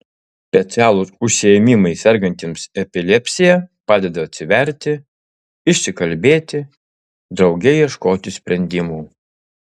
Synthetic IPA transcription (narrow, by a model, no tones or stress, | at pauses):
sʲpʲɛt̪sʲɪæːlˠʊsʊʃʲsʲɪjɛmʲɪmɐɪsʲɛɾɡɐnʲt̪ʲɪmsɛpʲɪlʲɛpʲsʲɪjɛpɑːd̪ʲɛd̪ɐɐt̪ʲsʲɪʋʲɛɾʲt̪ʲɪ | ɪʃʲsʲɪkɐlʲbʲeːt̪ʲɪ | d̪ɾɒʊɡʲɛɪiɛʃkoːt̪ʲɪsʲpʲɾʲɛnʲd̪ʲɪmuː